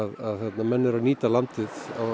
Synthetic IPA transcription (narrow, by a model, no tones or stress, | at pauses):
ðaðθɛt̪namɛnːɪɾawniːt̪alant̪ɪðaw